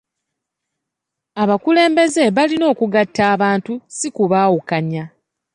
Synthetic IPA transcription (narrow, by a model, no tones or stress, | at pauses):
aβakule̞ːmbe̞ze̞βalino̞ːkuɡatːaːβaːntusikuβaːwukaɲa